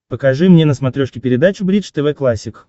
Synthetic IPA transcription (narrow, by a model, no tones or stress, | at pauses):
pəkɐʐɨmnʲenəsmɐt̪ɾʲoʂkʲɪpʲɪɾʲɪd̪at͡ɕʊbɾʲit͡ʂt̪ɛvɛklˠasʲːɪk